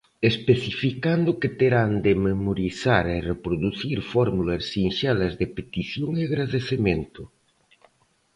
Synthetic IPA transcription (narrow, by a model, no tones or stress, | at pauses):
espeθifikand̪ʊket̪eɾand̪ɪmemoɾiθaɾerepɾoðuθiɾfɔɾmulasːiŋʃalɐzðepet̪iθjoŋeaɣɾaðeθemẽnt̪ʊ